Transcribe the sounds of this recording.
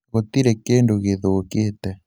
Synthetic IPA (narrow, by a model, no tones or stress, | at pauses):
ɣot̪iɾekeːndoɣeðoːkeːtɛ